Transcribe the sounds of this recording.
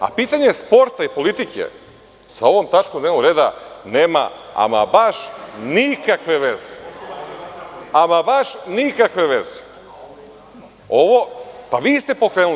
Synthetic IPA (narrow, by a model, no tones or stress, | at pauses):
a̰piːt̪aɲe̞spo̞ɾt̪aipo̞lit̪ikḛ | sao̞ʋomt̪at͡ʃkomd̪neʋnoɡɾe̞ːd̪aneːma̰a̰ma̰baʃnikakʋe̞ʋe̞ze̥ | amabaʃnikakʋe̞ʋe̞ze̥ | oʋo̞paʋiːst̪e̞pokɾeːnul